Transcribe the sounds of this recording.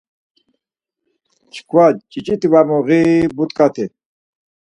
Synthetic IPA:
t͡ɕʰkwat͡ɕit͡ɕit̪iwamuʁibut̪kat̪ʰe

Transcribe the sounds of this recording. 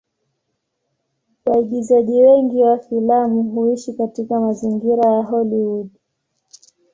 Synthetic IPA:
ɓaiɗizaʄiwɛŋɡiwafilamuɦuiʃikatikamaziŋɡiɾajaɦɔliwuɗ

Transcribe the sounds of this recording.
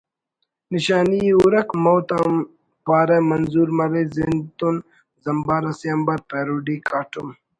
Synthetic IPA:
niɕaːniuɾɐkmowt̪a | paːɾɐmɐnzuːɾmɐɾezint̪un | zɐmbaːɾɐsiɐmbɐɾpeːɾuɖikaːʈum

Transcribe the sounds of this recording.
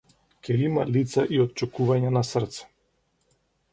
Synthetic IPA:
kʲɛimalit̪saʔiɔt̪̚t͡ʃɛkuvaɲanasr̩t̪sɛ̥

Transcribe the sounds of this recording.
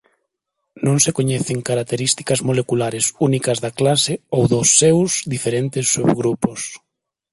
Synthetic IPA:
nõŋsekoɲɛθɪŋkaɾak̚t̪eɾist̪i̥kɐzmolekulaɾɪsunikɐzðɐklaseowðʊsːewzðifeɾent̪ɪsːuβɣɾupos

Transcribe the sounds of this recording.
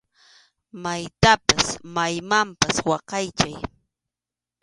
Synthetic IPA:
majt̪apasmajmampaswɑqɑjt͡ʃaj

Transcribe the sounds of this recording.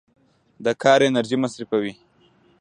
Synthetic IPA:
d̪əkʰɑɾenaɾʒimasɾifawi

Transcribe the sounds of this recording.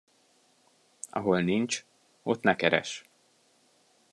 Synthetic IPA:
ɒ̰ɦo̞lnint͡ʃ | o̞t̪nɛkɛɾɛ̰ʃ

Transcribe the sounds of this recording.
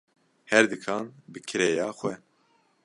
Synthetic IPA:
hɛɾd̪ɨkʰɑːnbɨkʰɨɾɛjɑːxʷwɛ

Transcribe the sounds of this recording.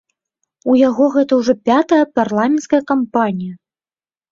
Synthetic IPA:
ujaɣɔɣɛt̪ɐwʐɔpʲat̪ɐjɐparlˠamʲɛnt̪skɐjɐkampanʲijɐ

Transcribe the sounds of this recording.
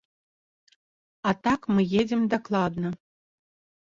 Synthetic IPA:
at̪akmɨjed͡zʲɛmd̪ɐklˠad̪nɐ

